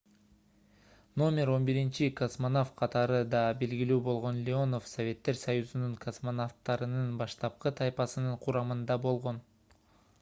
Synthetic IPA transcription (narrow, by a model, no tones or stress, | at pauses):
no̞mʲe̞ɾo̞nbiɾint͡ʃikosmonoft̪̚qʰɑt̪ɑɾɯd̪ɑbe̞lɡilyːbo̞lˠʁo̞nlʲɪo̞no̞fsovʲe̞t̪ːe̞ɾsɑjuzunuŋkʰosmonoft̪ːɑɾɯnɯnbɑʃt̪ɑp̚qɯt̪ʰɑjpɑsɯnɯɴqʰuɾɑmɯnd̪ɑbo̞lˠʁo̞n